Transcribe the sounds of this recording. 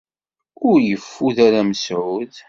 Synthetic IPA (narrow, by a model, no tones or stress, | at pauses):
ʊɾjəfːuðaɾæməsʕʊð